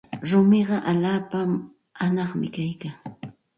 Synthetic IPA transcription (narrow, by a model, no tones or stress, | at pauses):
ɾʊmɪɢɑʔaʎaːpa | hanɑχmɪ̰kajkaː